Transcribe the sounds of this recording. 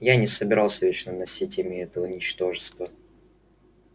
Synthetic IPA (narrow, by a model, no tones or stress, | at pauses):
janʲɪsəbʲɪɾɑlˠsʲəvʲet͡ɕnənɐsʲitʲɪmʲɪɛt̪əʊnʲɪt͡ɕt̪o̞ʐɨst̪və